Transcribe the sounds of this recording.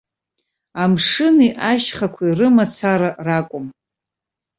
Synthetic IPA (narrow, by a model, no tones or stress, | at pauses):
amʂɨniʔaʃχakʷʰairɨmat͡sʰaɾarakʷʼʊm